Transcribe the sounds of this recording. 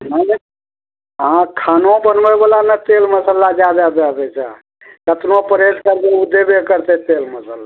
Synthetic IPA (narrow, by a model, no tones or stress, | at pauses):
nə | ɦãkʰanobənbəbəlanət̪elməsəlad͡ʒad̪ad̪ad̪ɛt͡ʃʰə̰ | kət̪nopəɾeskəɾk̪eud̪ebekəɾt̪et̪elməsəla